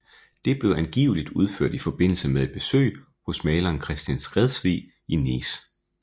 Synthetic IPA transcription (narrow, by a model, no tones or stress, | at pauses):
d̥e̝b̥le̝ʊænɡ̥ḭːʊlid̥uð̞ˠføɐ̰d̥ifɒ̽b̥e̝n̰l̩səmeðe̝d̚b̥e̝sø̰ɪ̰ | hɔ̽smɛːlɐːnkʰʁɛsd̥jænsɡ̥ʁɛðˠsʋḭ | inḭːs